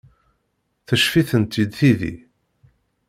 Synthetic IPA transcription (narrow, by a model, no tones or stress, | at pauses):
θəʃfiθənt̪ːid̪θiðḭ